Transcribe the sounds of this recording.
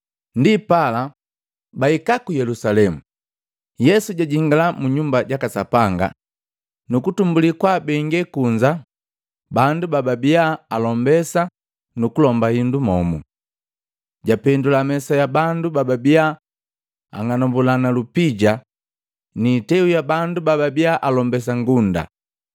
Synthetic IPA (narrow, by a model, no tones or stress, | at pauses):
ndipala | baikakujɛlusalɛmu | jɛsuɟaɟiŋɡalamuɲumbaɟakasapaŋɡa̰ | nukutumbulikwabɛŋɡɛkuɲd͡ʒa | bandubababiaalɔmbɛsa | nukulɔmbahindumɔmu | ɟapɛndulamɛsajabandubababia | a̰ŋanɔmbulanalupiɟa | niːtɛujabandubababiaʔalɔmbɛs̬aŋɡunda̰